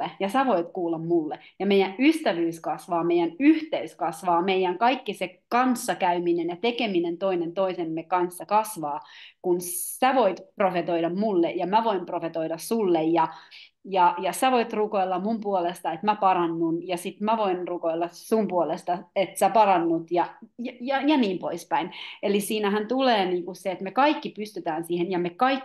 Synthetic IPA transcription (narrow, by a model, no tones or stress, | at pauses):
ejɑsæʋoit̪kuːlːɑmmulːejɑmeijæʔyst̪æʋyːskɑsʋɑːmeijænyht̪eyskɑsʋɑːmeijæŋkɑikːisekɑnsːɑkæyminenjɑt̪ekeminent̪oinent̪oisemːekɑnsːɑkɑsʋɑːkunsæʋoit̪profet̪oiɾɑmmulːejɑmæʋoimprofet̪oiɾɑssulːejjɑjɑjɑsæʋoit̪rukoilːɑmumpuolest̪ɑet̪mæpɑɾɑnːunjɑsit̪mæʋoinrukoilːɑsumpuolest̪ɑet̪sæpɑrɑnːut̪jɑjjɑjɑniːmpoispæinelisiːnæhænt̪uleːniːŋkusseet̪mekɑikːipyst̪yt̪æːnsiːhenjɑmekɑikː